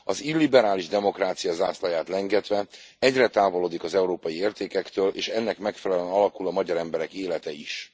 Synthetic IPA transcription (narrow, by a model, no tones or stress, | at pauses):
ɒzilːibɛɾaːliʒd̪ɛmo̞kraːt̪sijɒzaːslɒjaːt̪lɛŋɡɛt̪ʋɛ | ɛɟrɛt̪aːvo̞loːd̪ikɒzɛuɾoːpɒjieːrt̪eːkɛkt̪øːlʔeːʃɛnːɛkmɛkfɛlɛlɛnɒlɒkulɒmɒɟɒɾɛmbɛɾɛkeːlɛt̪ɛiʃ